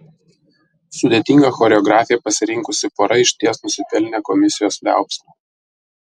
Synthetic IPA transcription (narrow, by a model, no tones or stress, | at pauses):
sʊd̪ʲet̪ʲiŋɡɐxɔɾʲɛɔɡɾɑːfʲɪjɛpɐsʲɪɾʲɪŋkʊsʲɪpɔɾɐɪʃʲt̪ʲiɛsnʊsʲɪp̪ʲɛlʲnʲekɔmʲɪsʲɪjoːslʲæ̰ˑʊpsʲmo